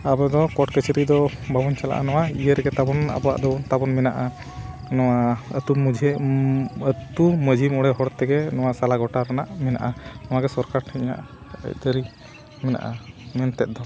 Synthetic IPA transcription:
abɔd̪ɔkɔʈkət͡ʃəɾid̪ɔbʱabɔɲt͡ʃʰala̰ʔa̰nɔwaijəɾɡɛt̪abɔna̰bɔwa̰ʔd̪ɔɔnt̪abɔnmɛnaʔa | nɔwaə̰t̪umud͡ʒʱɛ | ət̪uməd͡ʒʱimɔɽɛɦɔɽt̪ɛɡɛnɔwasalaɡɔʈaɾana̰ʔmɛna̰ʔanɔwaɡɛsɔɾkaɾʈʰɛɲa̰ʔ | ə̰ct̪əɾi | mɛna̰ʔamɛnt̪ɛt̪̚d̪ɔ

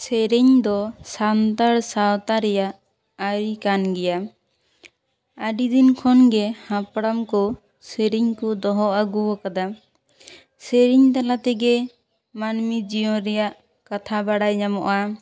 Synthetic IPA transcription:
sɛɾiɲd̪ɔsant̪aɾsawt̪aɾɛjaʔ | ajkanɡɛja | aɖid̪inkʰɔnɡɛhãpɽamkɔ | seɾiɲkɔd̪ɔɦɔʔaɡuwɔkad̪a | sɛɾiɲt̪alat̪ɛɡɛ | manmid͡ʒijɔ̃ɾɛjaʔ | kat̪ʰabaɽajɲamɔʔa

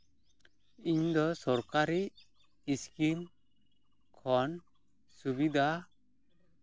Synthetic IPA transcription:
iɲd̪ɔsɔɾkaɾiː | skim | kʰɔn | subid̪ʱa

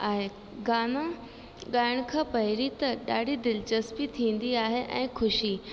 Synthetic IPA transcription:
aːɦe | ɡaːnã | ɠaːɪɽ̃kʰãːpɐɦɪɾit̪ɐɗaːɽʱid̪ɪlt͡ɕɐspit̪ʰĩːn̆d̪iaːɦeʔɛ̃ːxʰʊʃi

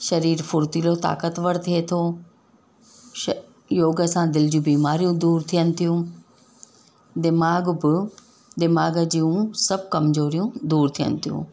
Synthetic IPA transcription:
ʃɐɾiːɾfʊɾt̪iːlot̪a̰ːkət̪ʋəɽt̪ʰiet̪ʰoː | joːɡəsãd̪ɪld͡ʑiũbiːmaːɾijũd̪uːɾt̪ʰijənɪ̆t̪ʰijũ | d̪ɪmaːɡbɪ | d̪ɪmaːɡəd͡ʑiːũsɐb̚ʱkɐmzoːɾijũd̪uːɾt̪ʰijə̰nɪ̆t̪ʰijṵ̃ː

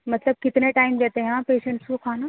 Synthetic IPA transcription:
mɐt̪ləb̚kɪt̪neʈaːɪmd͡ʑet̪eɦãpeːʃə̃ɳʈsũkʰaːna

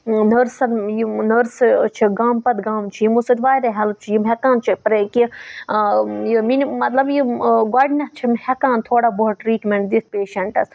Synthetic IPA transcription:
nəɾsɐnjinəɾst͡ʃʰiɡaːmpɐt̪ɡaːmt͡ʃʰijimusɐt̪ʲʋaːjɾɐɦɐlt͡ʃʰijimɦekaːnt͡ʃʰipɾeki | jiminmɐt̪lɐbjiɡaːɖinɐt̪t͡ʃʰimhɛkãːnt̪ʰoːɽaːboɦʈɾiːʈmeɳʈd̪it̪̚peːʃɐɳʈɐs

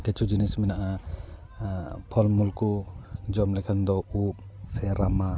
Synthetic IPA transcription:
tet͡ʃʰud͡ʒinismɛnaʔa | pʰɔlmulkud͡ʒɔmlɛkʰand̪ɔup̚sɛɾama

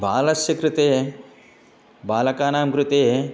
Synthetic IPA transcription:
bʱaːlɐsjɐkɾut̪eː | baːlɐkaːnaːmkɾut̪eː

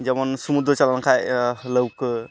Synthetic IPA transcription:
d͡ʒʌmɔnsumud̪ɾət͡ʃalankʰajləwk

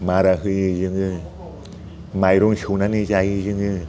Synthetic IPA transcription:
maɾaɦɯjɯzɯŋɯ | majɾuŋʃunanizajɯzɯŋɯ

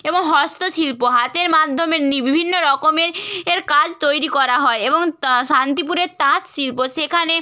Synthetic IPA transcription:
eboŋɦɔst̪oʃilpoɦat̪eɾmad̪ʱːomeɾnibibʱinːoɾɔkomeɾeɾkad͡ʑt̪ojɾikɔɾaɦɔeeboŋʃant̪ipuɾeɾt̪ãt̪ʃilpoʃekʰane

